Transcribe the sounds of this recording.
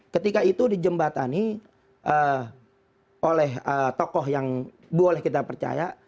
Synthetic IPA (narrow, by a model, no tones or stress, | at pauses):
kət̪ikait̪udid͡ʒəmbat̪ani | ʔə | ʔolɛɦət̪okɔɦjaŋ | buolɛhkit̪̬apərt͡ʃa̰ja